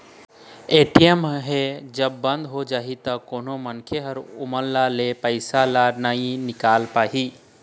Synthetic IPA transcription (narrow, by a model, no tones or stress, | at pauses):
eːʈiəmɦed͡ʒəbːə̃nd̪ɦod͡ʒaːɦit̪ɐkoːnomənkʰeɦəɾʊməlːalepəɪsalanəĩnɪkaːlpaːɦiː